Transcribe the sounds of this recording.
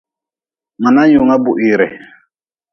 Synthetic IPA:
ma˨na˦ju˨ŋa˦bu˨ʔi˨ɾɛ˨

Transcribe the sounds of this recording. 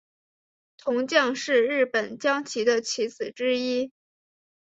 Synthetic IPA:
t̪ʰʊ˧˥ŋt͡ɕjɑ˥˧ŋʂɻ̩˥˧ɻɻ̩˥˩pə˨˩nt͡ɕjɑ˥ŋt͡ɕʰi˧˥d̪ə˧t͡ɕʰi˧˥t͡sɹ̩˨˩ʈ͡ʂɻ̩˥i˥

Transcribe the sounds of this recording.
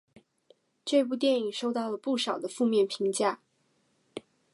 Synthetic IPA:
ʈ͡ʂɤ˥˧ɪp̬u˥˧t̪̬jɛ˥˩ni˨˩ʂo˥˧ʊt̪ɑ˥˩ʊlə˩pu˥˩ʂɑ˨˩ʊd̪ə˦fu˥˧mjɛ˥˩npʰi˧˥ŋt͡ɕja˥˩

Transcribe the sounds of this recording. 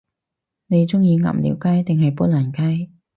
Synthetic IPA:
ne˨˧jt͡sʊ˥ŋjiː˧ŋɐ̰˨˩mlḭ˨˥wkaː˥jt̪ɪ˨ŋhɐ˨jpuː˥laː˨˩nkaː˥j

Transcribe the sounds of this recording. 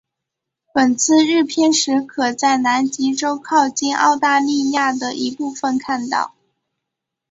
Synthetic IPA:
pə˨˩nt͡sʰɹ̩˥˧ɻɻ̩˥˩pʰjɛ˥˧nʂɻ̩˧˥kʰɤ˨˩t͡sa˥˩ɪna˧˥nt͡ɕi˧˥ʈ͡ʂo˥ʊkʰɑ˥˧ʊt͡ɕi˥˩nɑ̰˥˧ʊt̪a˥˧li˥˧ja˥˩d̪ə˩ʔi˧˥pu˥˩fə˨˩nkʰa˥˧nt̪ɑ̰˥˩ʊ

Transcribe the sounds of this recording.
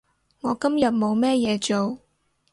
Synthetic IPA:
ŋɔː˨˧kɐ˥mjɐ˨t̚mo˨˧wmɛː˥jɛː˨˧t͡ʃo˨w

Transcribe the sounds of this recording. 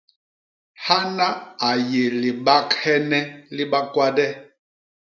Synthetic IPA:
ha˦na˦a˨je˨li˨ɓa˦khɛ˦nɛ˦li˦ɓa˦kwa˦dɛ˦

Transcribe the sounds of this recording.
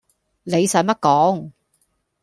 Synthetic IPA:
le˨˧jsœː˨˧˥ŋmɐ˥t̚kɔː˨˥ŋ

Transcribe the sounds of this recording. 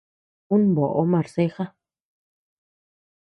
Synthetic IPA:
u˦nbo˨ʔo˦mã˨ɾse˦xa˦

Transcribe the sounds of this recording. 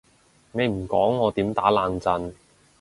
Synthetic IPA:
me˨˧jm̩˨˩kɔ̰ː˨˥ŋːɔː˨˧t̪iː˨˥mt̪aː˨˥laː˨˧ŋt͡sɐ˧n

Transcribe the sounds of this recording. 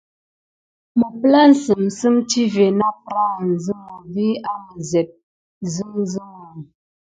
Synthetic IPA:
mə˨pla˦n̩˨sɨ˨m˨sɨ˦mti˦ve˨na˦pɾa˦˨n̩˨zɨ˦ma˨vi˦a˦mə˨zɛ˨t̚ | zɨ˦zɨ˦ŋa˨ŋ

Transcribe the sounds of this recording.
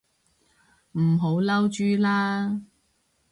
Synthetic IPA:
m̩˨˩ɦo˨˥wlɐ˥wt͡ʃyː˥laː˥

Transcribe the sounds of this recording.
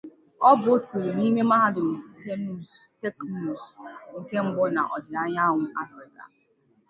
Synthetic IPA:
ɔ˦bʊ˨˦o˦tu˨ɾni˦me˦ma˦ɦa˦dʊ˨n̩˨˦te˦mu˦˨ste˦knu˦˨sŋ̩˨ke˦ŋ͡m̩˦ɡ͡bʊ˦na̰˨ʔɔ˨d͡ʒɪ˨ɾa˦ɲa˦ɦʷʊ˨ʔa˦fɾɪ˨ka̰˨

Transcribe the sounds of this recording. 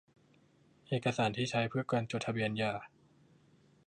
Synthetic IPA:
ʔeː˨˩kːa˧saː˩˦nt̪ʰiː˥˩t͡ɕʰa˦˥jpʰɯ˥˩ɐkwaː˧nt͡ɕo˨˩t̪ʰa˧bi˧˩ənjaː˧˩

